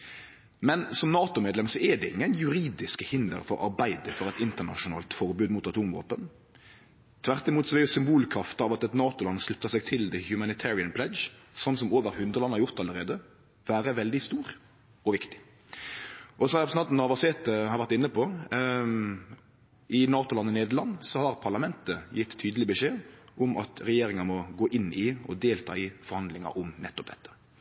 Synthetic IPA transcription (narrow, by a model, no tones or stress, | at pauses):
mɛnsɔmnɑːt̪ʊmeːd̪lɛmsɔɛdɛɪ̰ŋːənjʉɾiːd̪ɪskəhɪnd̪ə̰ɾfɔɾɑ̰ɾbæɪd̪əfɔɾɛt̪ɪnt̪əʁnɑ̰ʃʊnɑ̰ːlt̪fɔɾbʉːd̪muːt̪ɑt̪ʰuːmʋo̰ːpən | t̪ʰʋæʁt̪ɪmuːt̪sɔʋɛʊsʏmbuːlkʰɾɑft̪əɑːʋɑt̪ɛt̪nɑːt̪ʊlɑnːslɪp̚t̪əsɛɡ̚t̪ʰɪld̪ɛhjʉmɑnɪt̪ʰæːɾɪənpʰlɛdsɔnːs̬ɔmoːʋəɾhʉnd̪ʁəlɑnːhɑɾjʊʁt̪ɑləɾeːd̪ə | ʋæːɾəʋɛld̪ɪst̪uːɾ | ɔʋɪkt̪ɪ̥ | ʔɔsɔæpɔsnɑt̪nɑʋɑseːt̪əhɑɾʋæɾt̪ɪnːəpʰɔ | ʔɪnɑːt̪ʊlɑnːəneːd̪əlɑnːsɔhɑɾpʰɑʁlɑmɛnt̪əjɪt̪ʰːyːd̪əlɪəbəʂeːʔɔmʔɑ̰t̪ɾɛjeːɾɪŋɑnmɔɡoːʔɪnːɪɔd̪eːlt̪ʰɑ̰ːɪfɔɾhɑnd̪lɪŋɑ̰ʔʊmnɛt̪ːɔp̚d̪ɛt̪ʰːə̥